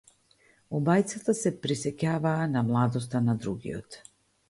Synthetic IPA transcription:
ɔbajt̪sat̪asɛpɾisɛcavaːnamlˠad̪ɔs̬t̪anad̪ɾuɡḭɔt̪

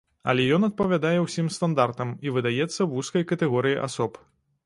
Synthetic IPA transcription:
ɐ̰lʲɛjɔnɐt̪̚pɐvʲad̪ajɛwsʲimst̪and̪art̪ɐmivɨd̪ajɛt̪sːɐwuskɐjkɐt̪ɛɣɔɾɨjiʔa̰sɔp

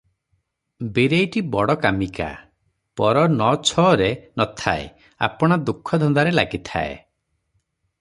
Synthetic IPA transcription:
biɾejʈibɔɽɔkamika̰ | pɔɾɔnɔt͡ʃʰɔːɾenɔt̪ʰaḛ | a̰pɔɽ̃ɔd̪ukʰːɔd̪ʱɔnd̪aɾelaɡit̪ʰa̰ḛ

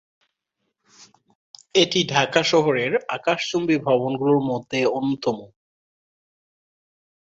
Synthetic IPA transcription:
eʈiɖʱakaʃɔɦoɾeɾa̰kaʃt͡ɕombibʱɔbonɡuloɾmod̪ʱːeonːot̪ɔmo

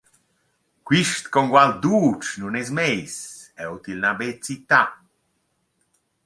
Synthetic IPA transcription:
kwiʃt̪kɔŋɡwald̪uːt͡ʃnunez̬mejsɛwt̪ilnabet͡sit̪a

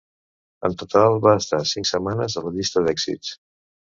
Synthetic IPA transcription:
ə̰nt̪ut̪alˠβaəst̪asiŋksəmanəzələʎist̪əðɛkzḭts

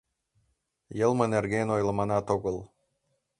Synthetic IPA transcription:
jɤlˠmɤnerɡʲenojlˠɤ̆mɑnɑt̪oɡɤlˠ

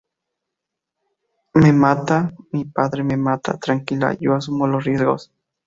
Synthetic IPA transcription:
memat̪amipaðɾememat̪a̰t̪ɾaŋkila̰joas̬umolosrjezɣo̰s

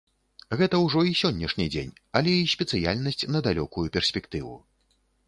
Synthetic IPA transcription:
ɣɛt̪ɐwʐɔisʲɔnʲːɐʂnʲid͡zʲḛnʲɐlʲɛisʲpʲɛt̪sɨja̰lʲnɐsʲt͡sʲnɐd̪alʲɔkujupʲɛrsʲpʲɛkt̪ɨvṵ

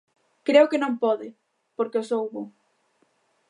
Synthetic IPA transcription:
kɾeʊkɪnõmpɔðɪ | poɾkeosowβu

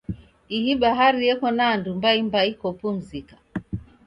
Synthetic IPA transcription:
ihiɓaɦaɾijɛkɔnaːndumbaimbaikɔpum̩zikḁ

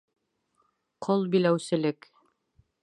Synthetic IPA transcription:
qʰolˠbilæwsɘ̆lɘk

